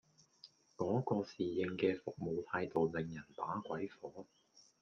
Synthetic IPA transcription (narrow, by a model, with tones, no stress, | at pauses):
kɔː˨˥kɔː˧siː˨jɪ˧ŋkɛː˧fʊ˨k̚mo˨wt̪ʰaː˧jt̪o˨wlɪ˨ŋjɐ˨˩npaː˨˥kʷɐ˨˥jfɔː˨˥